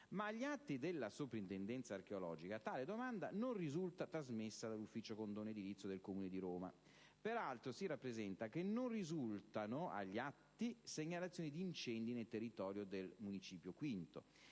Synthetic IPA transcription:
maːʎːiat̪ːid̪elːasopɾint̪end̪ɛnt̪saːrk̟eolɔ̰ːd͡ʒikat̪aːled̪omand̪anonrizult̪at̪ɾazmesːad̪alːufːiːt͡ʃokond̪oːned̪iɾit̪sːod̪elkomuːned̪iɾoːma̰ | peɾalt̪ɾosirapːɾezɛnt̪ak̟enːonrizult̪anoa̰ʎːiat̪ːiseɲːalat̪sjonid̪iːnt͡ʃɛnd̪inelt̪erːit̪ɔːɾjod̪elmunit͡ʃiːpjokwint̪o̰

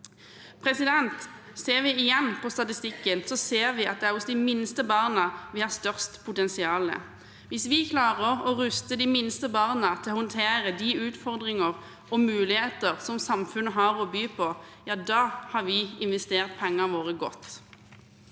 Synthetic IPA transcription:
pʰʁɛsɪd̪ɛnt̪ | seːʁʋɪɪjɛnːpʰɔst̪ɑt̪ɪst̪ɪkːənsɔseːʁʋɪɑ̰t̪̚d̪ɛæʁʊsd̪ɪmɪnst̪əbɑʁnəʋɪhɑʁst̪œʁst̪pʰʊt̪ɛnsɪɑːlə̰ | ʋɪsʋɪkʰlɑːʁəʁɔʁʉst̪əd̪ɪmɪnst̪əbɑʁnət̪ʰɪlɔhɔnt̪ʰeːʁəd̪iʉːt̪fɔʁd̪ʁɪŋəʁ | ɔmʉːlɪheːt̪əʁsɔmsɑmfʉnːəɦɑʁɔbyːpʰɔ | jɑːd̪ɑːhɑɾʋɪɪnʋɛst̪eːʁt̪̚pʰɛŋːɑʋoːʁəɡɔ̰t̪ː

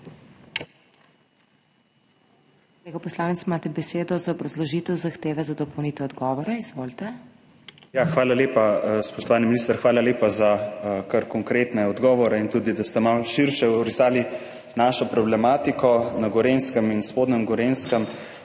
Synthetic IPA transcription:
koleːɡɔpɔslaːnɛt̪smaːt̪ɛbɛseːd̪ɔzaɔbɾɐzlɔʒit̪ɛwzaxt̪eːʋɛzad̪ɔpɔwniːt̪ɛɔd̪ɡɔʋɔɾɛizʋoːlt̪ɛ | jaxʋaːlaleːpaspɔʃt̪ɔʋaːniminist̪əɾxʋaːlaleːpazakaɾkɔŋkɾet̪nɛɔd̪ɡɔːʋɔɾɛint̪uːd̪id̪ast̪ɛmawʃiɾʃɛɾisaːli | naʃɔpɾɔblɛmaːt̪ikɔnaɡɔɾenskəminspoːd̪nɛmɡɔɾenskəm

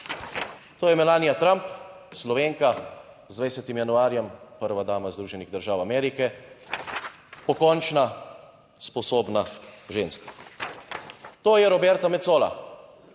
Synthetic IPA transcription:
t̪oːjɛmɛlaːnijat̪ɾamp | slɔʋeŋka | zd̪ʋɛjsʲɛt̪imjanuaːɾjɛmpəɾʋad̪aːmazd̪ɾuːʒɛniɣd̪əɾʒaːwamɛːɾikɛ | pɔkɔnt͡ʃna | spɔsoːbnaʒeːnska | t̪oːjɛɾɔbɛɾt̪amɛt̪soːla̰

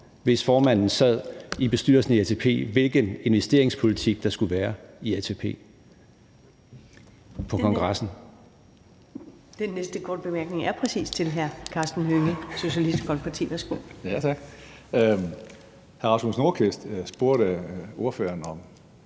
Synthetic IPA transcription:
ʋe̝sfɒːmæn̰n̩sæð̰ˠib̥e̝sd̥yɐsn̩iæt͡sʰeːpʰe̝̰ːʋe̝lɡ̥əne̝nʋesd̥e̝ɐ̰eŋspʰo̝lit͡sʰiɡ̥̚d̥ɑ̈sɡ̥uʋæːɐiæt͡sʰe̝pʰe̝̰ː | pʰɒ̽kʰɒ̽ŋɡ̥ʁɑ̈sn̩ | d̥enːesd̥əkʰɒ̰ːd̥̚b̥e̝mæɐɡ̥ne̝ŋæɐpʰʁɛsḭːst͡sʰe̝lɦæɐkʰɑ̈ːsd̥n̩høŋəso̝ɕiælisd̥kʰɒl̚pʰɑt͡sʰḭːʋæɐsɡ̥o̝̰ːjæt͡sʰɑɡ̥ | hæɐɑ̈smosno̝ɐkʰesd̥sb̥o̝ɐɾəo̝ɐfø̰ːɐnɒ̽m

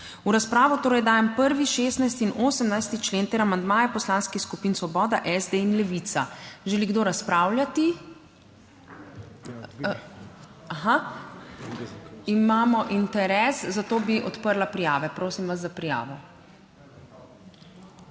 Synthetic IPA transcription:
uɾaspɾaːʋɔt̪oːɾɐjd̪aːjɛmpəɾʋiʃeːst̪najst̪iːnʔoːsəmnajst̪it͡ʃleːnt̪ɛɾamand̪maːjɛpɔslaːnskixskupiːnsʋɔbɔːd̪aʔɛzd̪einlɛʋit̪saʒɛliɡd̪oːɾaspɾaːwljat̪i | axa | imaːmɔʔint̪ɛɾɛːszat̪oːbiʔɔt̪pəɾlapɾijaːʋɛpɾoːsimʋazːapɾija̰ːʋɔ

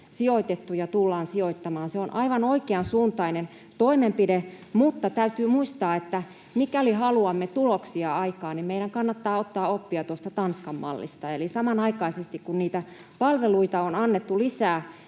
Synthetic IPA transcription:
sioit̪et̪ːujɑt̪ulːɑːnsioit̪ːɑmɑːnseonʔɑiʋɑnoikeɑnsuːnt̪ɑinen | t̪oimempidemut̪ːɑt̪æyt̪yːmuist̪ɑːet̪ːæ | mikælihɑluɑmːet̪uloksiɑɑikɑːnimmeiɾæŋkɑnːɑt̪ːɑːot̪ːɑːopːiɑt̪uost̪ɑt̪ɑnskɑmmɑ̰lːḭst̪ɑelisɑmɑnɑikɑisest̪ikkunniːt̪æ | pɑlʋeluit̪ɑonɑnːet̪ːulisæː

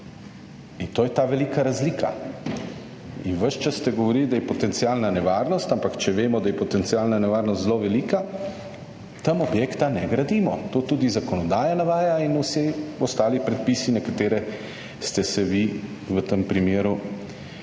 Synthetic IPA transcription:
int̪oːjɛt̪aʋɛlikaɾazliːkʰa̰ | inʋəʃt͡ʃasːt̪ɛɡɔʋɔɾiːld̪ajɛpɔt̪ɛnt̪siaːlnanɛʋaːɾnɔst̪ampakt͡ʃɛʋeːmɔd̪ajɛpɔt̪ɛnt̪sijaːlnanɛʋaːɾnɔst̪zloʋɛliːka | t̪əmɔbjeːkt̪anɛɡɾad̪iːmɔt̪oːt̪ud̪izakɔnɔd̪aːjanaʋaːjainusɛɔst̪aːlipɾɛt̪̚piːsinɛkat̪eːɾɛ | st̪ɛsɛʋi | ʋət̪əmpɾimeːɾu

